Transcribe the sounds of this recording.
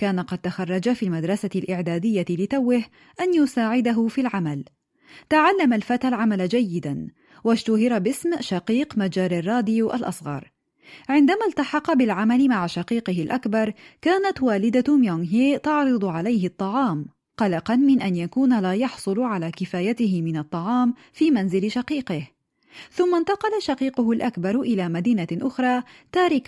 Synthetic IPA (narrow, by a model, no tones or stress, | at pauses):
kaːnaqɑd̪̚t̪axɑrˤːɑd͡ʒafiːlmad̪ɾˤɑsaɪlʔɪʕd̪aːd̪ɪjːalɪt̪awːɪh | ʔanjʊsaːʕɪd̪aɦʊfilʕamal | t̪aʕalːamalfat̪alʕamalad͡ʒajːɪd̪an | wad͡ʒt̪ʊɦɪɾabɪsmʃɑqiːqmad͡ʒaːɾarˤːɑːd̪ɪjʔa̰lʔɑ̰sˤɣɑ̰ɾˤ | ʕɪnd̪amaːlt̪ɑħɑqɑbɪlʕamalɪmaʕʃɑqiːqɨɦɪlʔakbɑɾˤkaːnat̪waːlɪd̪amjoŋɦeːt̪ɑʕɾˤɨd̪ˤʊʕalajɦɪt̪ˤːɑʕɑːm | qɑlɑqɑnmɪnʔanjakuːnlaːjɑħsˤʊlʕalaːkɪfaːjat̪ɪɦɪmɪnɑt̪ˤːɑʕɑːm | fiːmanzɪlʃɑqiːqɪh | θʊmːant̪ɑqɑlaʃɑqiːqʊɦʊlʔakbɑɾˤʔɪlaːmad̪iːnaʔʊxɾˤɑːt̪aːɾɪk